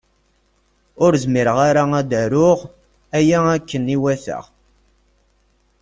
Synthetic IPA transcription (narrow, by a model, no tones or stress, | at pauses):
ʊɾzmiɾəʁaɾaæd̪æɾʊʁ | æjæækːəniwæθə̰ʁ